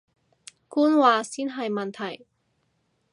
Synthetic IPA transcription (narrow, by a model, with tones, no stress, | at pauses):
kuː˥nwaː˨˧siː˥nɦɐ˨jmɐ˨nt̪ʰɐ˨˩j